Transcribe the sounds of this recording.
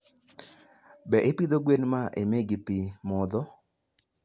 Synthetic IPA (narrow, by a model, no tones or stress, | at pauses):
bɛʔɪpid̪oɡwenmaʔemeɡɪpimɔd̪ɔ